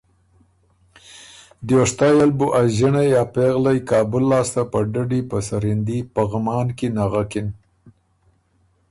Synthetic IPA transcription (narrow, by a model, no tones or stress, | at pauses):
d̪joʂt̪ɑjalbuʔaʒɪɳajɑpeɣlajkɑːbʊlːɑːst̪apəɖaɖipəsaɾind̪ipəɣmɑːnkinaɣakɪn